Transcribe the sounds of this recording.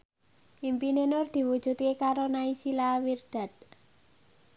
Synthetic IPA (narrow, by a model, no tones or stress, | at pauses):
impinenʊrd̪̥i̤wud̥ʒ̥ṳt̪̚kekaɾonaisilawird̪̥a̤d̪̥̚